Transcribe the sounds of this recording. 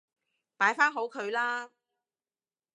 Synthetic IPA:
paː˨˥jfaː˥nɦo˨˥wkʰɵ˨˧ɥlaː˥

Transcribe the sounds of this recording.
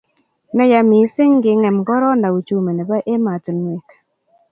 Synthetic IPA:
nɔ˦ja˨mi˨˦sɪ˦ŋɡɪ˨˦ŋɛ˨mɡɔ˦ɾɔ˦nda˨u˨t͡ʃu˨˦me˨nɛ˨ba˦ʔe˦ma˨tn˨e˨kḁ˨

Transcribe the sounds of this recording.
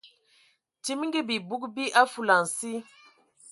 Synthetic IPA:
ti˦m˦ŋ˦ɡi˦bi˨bu˦kbi˦ʔa˦fu˨la˨n̩˨si˦

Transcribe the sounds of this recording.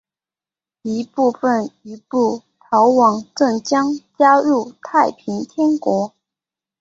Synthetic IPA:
i˧˥pu˥˧fə˨˩ni˧˥pu˥˩ | t̪ʰɑ˧˥ʊwɑ˨˥ŋʈ͡ʂə˥˩ŋt͡ɕjɑ˥ŋt͡ɕja˥ɻu˥˩t̪ʰa˥˩ɪpʰi˧˥ŋt̪ʰjɛ˥nkwɔ˧˥

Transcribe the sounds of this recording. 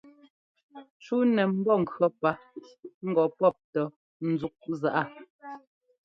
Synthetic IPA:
t͡ʃu˦nɛ˨m̩˦bɔ˦˨ŋ̩˨kɰɔ˨pa˦ŋ̩˦ɡɔ˨pɔ˦˨p̚tɔ˨ | n̩˨zu˨˦k̚za˨ʔa˦˨

